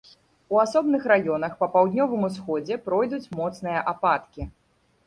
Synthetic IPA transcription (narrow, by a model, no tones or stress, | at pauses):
uasɔbnɨxɾajɔnɐxpɐpawd̪ʲnʲɔvɨmus̬xɔd͡zʲɛpɾɔjd̪ut͡sʲmɔt̪snɨjɐʔapat̪kʲi